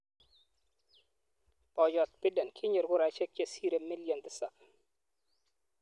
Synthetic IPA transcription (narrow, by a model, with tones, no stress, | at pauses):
pɔ˨d͡ʒɔ˨t̪̚pi˦da˨nkʰi˦ɲə˨ɾɡʊ˦ɾa˨t͡ʃɛ˦k̚t͡ʃe˦si˦ɾe˨mi˦ljɔ˨nt̪ɪsa˨k